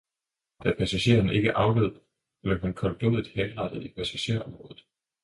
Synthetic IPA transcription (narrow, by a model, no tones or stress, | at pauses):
d̥æpʰæsæɕe̝̰ːɐne̝ɡ̥əʔɑ̈ʊløð̰ˠ | le̥hænkʰɒ̽lb̥loðˠð̩ˠhenʁɑ̈d̥əð̩ˠipʰæsæɕe̝̰ɐɒ̽mʁɔ̽ːðð̩ˠ